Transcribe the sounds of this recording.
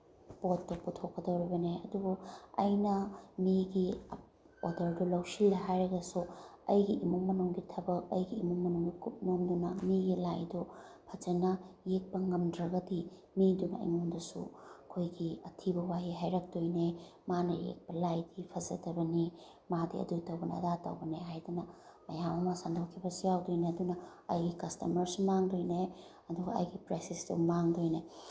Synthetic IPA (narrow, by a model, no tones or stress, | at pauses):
potːoputʰokːɐdɐwɾibɐneɐ̰duɡoɐ̰jnɐmiɡi | odɐɾdɔlɐwsildɐɦajɾɐɡɐsuɐjɡiʔimuŋmɐnuŋɡitʰɐbɐk̚ɐjɡiːmuŋmɐnuŋɡikup̚nomdunɐmiɡilajdopʰɐd͡ʒɐnɐjek̚pɐŋɐmdɾɐɡɐdi | midunɐɐ̰jŋondɐsṵɐkʰojɡiɐtʰibɐwajiɦajɾɐk̚dojnemanɐjḛk̚pɐlajdipʰɐzɐ̰tɐbɐni | madḭɐ̰dutɐwbɐnɐ̰datɐ̰wbɐneɦajdunɐ | mɐjamɐmɐsandʰɐwkʰibɐsujawdojneɐdunɐ | ɐjɡikɐstɐ̰mɐɾsumaŋdojne | ɐduɡɐɐ̰jɡipɾajsesdṵmaŋdojne